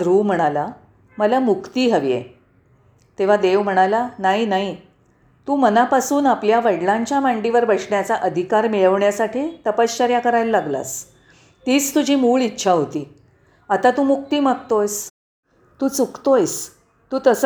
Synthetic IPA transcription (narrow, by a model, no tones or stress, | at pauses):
ɾuːm̤əɽ̃ala | məlamukt̪iːɦəʋjḛ | t̪eʋ̤ad̪eʋm̤əɽ̃alanaɦinaɦi | t̪uːmənapasuːnapljaʋəɽlãɲt͡ɕjamãɳɖiʋəɾbəʂɳjat͡saʔəd̪ʱikaɾmiɭəʋɳjasaʈʰiːt̪əpəst͡ɕəɾjakəɾajlːaɡla̰s | t̪iːt͡st̪ud͡ʑʱiːmuːɭitːɕʰaɦot̪iː | at̪at̪uːmuk̚t̪iːmək̚t̪ojs | t̪uːt͡sukt̪ojs | t̪uːt̪əs